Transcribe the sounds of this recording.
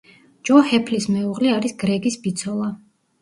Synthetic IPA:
d͡ʒɔhɛpʰlismɛuʁliaɾisɡɾɛɡisbit̪sʰɔlˠa

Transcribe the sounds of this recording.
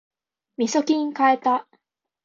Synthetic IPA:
mʲisokʲĩɲkaet̪a

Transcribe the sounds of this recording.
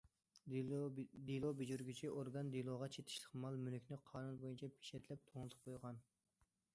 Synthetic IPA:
d̪ilˠobed͡ʒyɾɡʲyt͡ʃʰiʔoɾɡɑnd̪ilˠoʁɑt͡ʃʰet̪ʰɪ̥ʃlˠəqmɑlˠmynykʲnɪqʰɑːnunbojunt͡ʃʰɛpʰe̥ʃɛt̪ʰlɛp̚t̪ʰoŋlˠɨt̪ʰʊ̥p̚qʰojʁɑn

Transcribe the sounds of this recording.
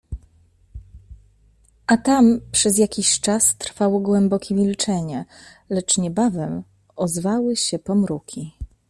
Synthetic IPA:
ʔat̪ampʂɛzjakʲiɕt͡ʂast̪ɾfawɔɡwɛmbɔkʲɛmʲilt͡ʂɛɲɛlɛt͡ʂɲɛbavɛm | ʔɔzvawɘɕɛpɔmɾukʲi

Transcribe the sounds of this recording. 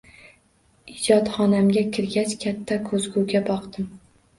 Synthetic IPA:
ɪd͡ʒɒt̪χɒnamɡʲakʲʰɪɾɡʲat͡ʃkʲʰat̪ʰːakʰɵzɡuɡʲabɒqd̪ɪm

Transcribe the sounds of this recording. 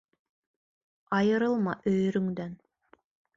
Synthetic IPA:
ɑjɯɾɯlˠmɑʔøjyɾyŋd̪øn

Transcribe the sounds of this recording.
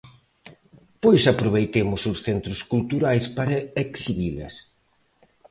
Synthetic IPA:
pojsapɾoβejt̪emʊsʊsθent̪ɾʊskult̪uɾajspaɾɐeksiβilɐ̰s

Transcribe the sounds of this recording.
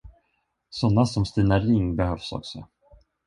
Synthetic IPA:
sɔnːasɔmst̪iːnaɾɪŋbɛhœvsɔ̰ksɔ̰

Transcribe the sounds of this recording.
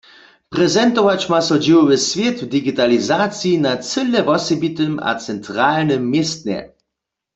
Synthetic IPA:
pʁɛzɛnt̪ɔvat͡ɕmasɔd͡ʑiwɔvɪsvʲjet̪vd̪iɡit̪alizat͡sinat͡sɘlɛvɔsɛbit̪əma̰t͡sɛnt̪ʁalnəmːjest̪ɲɛ̰

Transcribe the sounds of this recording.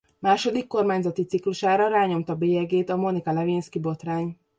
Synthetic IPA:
maːʃo̞d̪ikːo̞rmaːɲzɒt̪it̪sikluʃaːɾɒɾaːɲo̞mt̪ɒbeːɛɡeːt̪ɒmo̞nikɒlɛvinskibo̞t̪raːɲ

